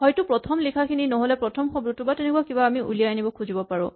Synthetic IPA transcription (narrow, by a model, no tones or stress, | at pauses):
hɔjtupɹɔtʰɔmlikʰakʰininɔɦolɛpɹɔtʰɔmxɔbɹutubatɛnɛkuakibaːmiʔṵlijanibɔkʰuzibɔpaɹʊ̰̃